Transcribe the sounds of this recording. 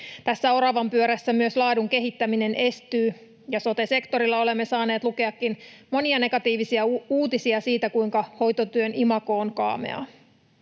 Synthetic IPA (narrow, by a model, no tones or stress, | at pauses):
t̪æsːæo̞ɾɑʋɑmpyøɾæsːæmyøslɑːduŋk̟e̞ɦit̪ːæmine̞ne̞st̪yː | jɑso̞t̪e̞se̞kt̪o̞ɾilːɑo̞le̞mːe̞sɑːne̞ːt̪luke̞ɑkːinmo̞niɑne̞ɡɑt̪iːʋisiɑuːt̪isiɑsiːt̪ækujŋkɑho̞jt̪ot̪yønimɑko̞ːnkɑ̰ːmḛɑ̰